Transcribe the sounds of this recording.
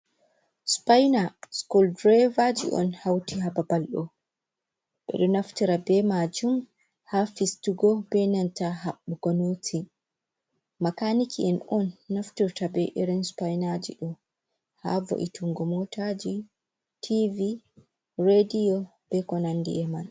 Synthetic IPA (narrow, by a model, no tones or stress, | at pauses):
spajnaskuldɾɛvad͡ʒḭʔɔ̰nhawtihababalɗɔ | ɓɛ̰ɗɔnaftiɾabɛmad͡ʒum | hafistuɡɔbɛnantaɦaɓːuɡɔnotʰi | makanikiɛnɔnːaftiɾtabɛʔiɾinspajnad͡ʒḭɗɔ | ha̰vo̰ʔitʰuŋɡɔmɔtʰad͡ʒi | tʰivi | ɾedijɔ | b̥ɛkɔnandḭʔɛman